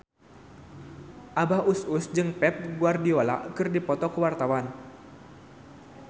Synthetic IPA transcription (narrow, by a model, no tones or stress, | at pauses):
ʔabahususd͡ʒɨŋpɛp̚ɡuardiola̰ʔkɨrdipɔt̪ɔkəwart̪awan